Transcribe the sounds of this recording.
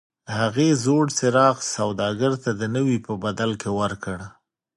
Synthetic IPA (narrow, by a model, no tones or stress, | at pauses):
haɣezoɽsɪɾɑɣsawd̪ɑɡəɾt̪ad̪ənəwipəbad̪alkewəɾkəɽ